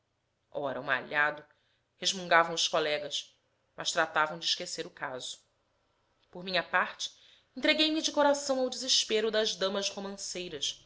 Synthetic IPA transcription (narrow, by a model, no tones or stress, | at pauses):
ɔɾɐ̰ũa̰ʎad̪ʊ | heʒmũŋɡavɐ̃w̃ʊʃkolɛɡɐs | mʔɐʃt̪ɾat̪avɐ̃w̃d͡ʒɪiʃkeseɾʊkaz̥ʊ̥ | poɾmĩɲɐpaχt͡ʃɪ̥ | ẽnt̪ɾeɡejmɪd͡ʒɪkoɾasɐ̃w̃awd͡ʒɪzɪʃpeɾʊd̪ɐʒd̪ɐ̃mɐzhomɐ̃sejɾɐʃ